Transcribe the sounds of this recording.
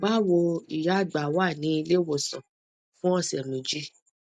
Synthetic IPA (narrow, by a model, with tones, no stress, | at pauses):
ɡ͡ba˦wo˧i˨ja˨˦˨ɡ͡ba˨wa˦˨nĩ˨˦i˧le˦wo˧˨sã˨ | fũ˦ɔ˧˨sɛ˨nũ˨˦d͡ʒi˦